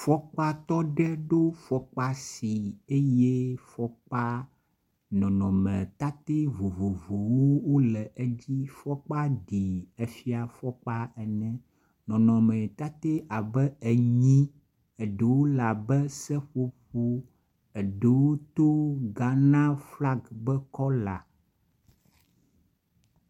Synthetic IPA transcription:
fɔ˦k͡pa˦t̪ɔ˦ɖɛ˦ɖo˦fɔ˦k͡pa˦si˨e˦je˦fɔ˦k͡pa˦ | nɔ̃˨nɔ̰̃˨mɛ̰̃˨t̪a˦t̪e˦vo˨vo˨vo˨wo˦wo˦lɛ˨ʔe˦d͡ʑi˦fɔ˦k͡pa˦ɖi˨ɛ˨fi˦a˨fɔ˦k͡pa˦ɛ˨nɛ̃˦ | nɔ̃˨nɔ̃˨mɛ̃˨t̪a˦t̪e˦ʔa˨bɛ˦ɛ˨ɲĩ˦ | ɛ˨ɖe˨wo˦la˨bɛ˦sɛ˦ɸo˦ɸo˦ | ɛ˨ɖe˨wo˦t̪o˦ɡa˨nã˦fla˦ɡbɛ˦kɔ˦la̰˨

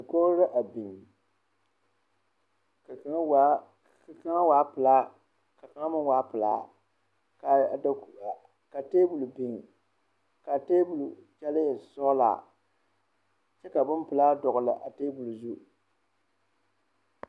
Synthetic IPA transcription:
nɨ˨ko˦ɾɾɨ˦ʔa˨bi˨ŋ˨ | ka˦a˦waː˦pɨ˨laː˦ | ka˨ka˨˦ŋa˦mɨ˦waː˨˦pɨ˨la̰ː˦˨ | ka˨teː˦bu˨lu˨bi˨ŋ˨ | ka˨teː˦bu˨lu˨t͡ʃɛ˦lɪ˦˨sɔ˦la̰ː˨ | t͡ʃɛ˦ka˨bʊ˦m˦pɨ˨laː˦dɔ˨ɣʊ˨lɨ̰˨ʔa˨teː˦bu˨lu˨zu˦

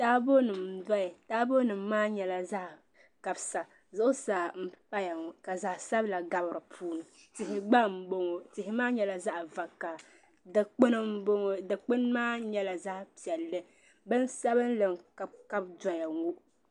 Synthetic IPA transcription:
taː˦bo˦nɨ˨mda˦jɪ˨taː˦bo˦nɨ˨mː˦aː˦ɲɛ˨la˨za˦ʔ | ka˨bsa˨ | zʊ˦ʔʊ˦saː˨m̩˦pa˦ja˨ŋu˨ka˨za˨ʔsa˦bla˨ɡa˦bɾɨ˨pʰuː˦nɨ˨ | tɪ˨ɦɪ˨ɡ͡ba˦m̩˨bo˦ŋo˨tɪ˨hɪ˨˦maː˦ɲɛ˦la˨za˦ʔva˨ka˨ | dk͡pn˦bo˦ŋo˦dɨ˨k͡pɨ˦nmaː˦ɲɛ˦la˨za˦ʔpi˨ɛ˨lːɨ˦ | bɨ˦n˦sa˦bɨ˦n˦lɨ˨ŋka˦ka˦bdɔ˦ja˨ŋu˦ʔ

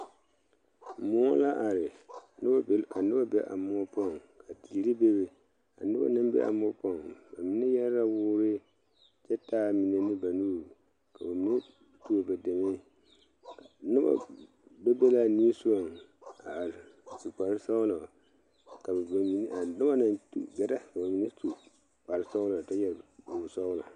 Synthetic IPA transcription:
mɔ˦la˦ʔa˨ɾɪ˨n˦ba˦˨ka˨nɨ˦ba˦bɛ̰˦ʔa̰˨mɔ˦pɔ˦˨ŋ | ka˨ti˨ɾi˦be˦bɛ˨ | ka̰˨nɨ̰˦ba̰˦nɨ˦mbɛ̰˦ʔa̰˨mɔ˦pɔ˦˨ŋba˨mi˦nɛ˦jɛ˦ɾɾa˦wʊː˦ɾɪ˦ | t͡ʃɛ˦taː˦mi˨ne˨nɨ˦ba˨nuː˦ɾ | ka˨ba˨mi˦n˦ | tu˦o˨bɛ˨dɛ˨me˦ | ka˨nɪ˦ba̰˦ | bɛ˦bɛ˦la˦˨ni˦su˦o˨ŋa˨ɾsu˨k͡pa˨ɾɪ˦sa˦la˨ | ka˨bɛ˨ba˨mi˨n˦a˨nʊ˦ba˦na˦ntṵ˦˨ɡɛ˨ɾa˦ka˨ba˨mi˨nɛ˦tu˨ | k͡pa˨ɾɪ˦sa˦ʊ˦la˨a˨ta˦jɛ˦lu˨sɔ˦ʊ˦la˨

